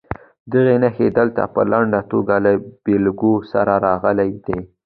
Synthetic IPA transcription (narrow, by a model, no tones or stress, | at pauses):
d̪əɣenaxed̪əlt̪a̰pəlaɳɖat̪oɡalab̥elɡosa̰ɾaɾɑɣəlajd̪e